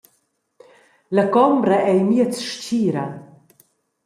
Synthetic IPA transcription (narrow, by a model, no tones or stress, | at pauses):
lakɔmbɾaʔɛjmiət͡sʃt͡ɕiːɾa